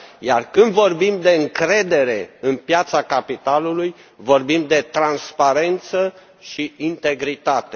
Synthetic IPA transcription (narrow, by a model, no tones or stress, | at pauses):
ja̰rkɨnd̪vo̞rbimd̪e̞ɨŋkɾe̞d̪e̞ɾe̞ɨnpjat̪sakapit̪aluluj | vo̞rbimd̪e̞t̪ɾanspaɾe̞nt̪sə | ʃiint̪e̞ɡɾit̪at̪e